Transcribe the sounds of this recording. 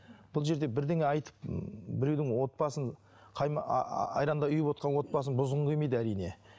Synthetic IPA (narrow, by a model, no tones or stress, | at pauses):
b̥ʊlˠʒe̞ɾd̪e̞bɪɾd̪eŋeɑjt̪ə̥p̚bɪɾewd̪ɪŋwo̞t̪̚bɑsəɴ | qʰɑjmɑjɾɑnd̪ɑʏjɪpwo̞t̪qɑnwo̞t̪̚bɑs̬ənbʊzʁəɴqʰʲejmejd̪əæɾijne̞̰